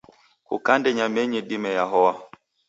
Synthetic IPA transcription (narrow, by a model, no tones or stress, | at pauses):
kṵkandɛɲamɛɲɛɗimɛjaɦɔwa